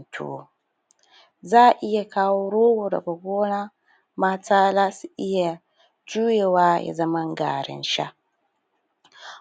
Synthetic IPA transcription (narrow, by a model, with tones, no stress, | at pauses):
tʰṵː˨ | zaː˦˨ʔɪ˦ja˨kaː˦wo˦ɾoː˦wo˨dɐ̰˨ka˨ɡʷoː˦na˦ | maː˨˦taː˦la˦si˦ʔɪ˦ja˨˦ | d͡ʒuː˦je˨waː˦ja̰˨zɐ˦ma˦ŋ˦ɡa̰ː˨ɾɪ̰˨nʃa̰˦